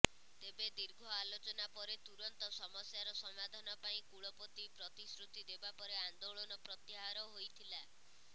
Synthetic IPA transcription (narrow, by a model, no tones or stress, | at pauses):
t̪ebed̪iɾɡʱɔalot͡ʃɔnapɔɾet̪uɾɔnt̪ɔsɔmɔsjaɾɔsɔmad̪ʱanɔpaĩkuɭɔpot̪ipɾɔt̪isɾut̪id̪ebapɔɾeand̪oɭɔnɔpɾɔt̪jiɦaɾɔɦojt̪ʰila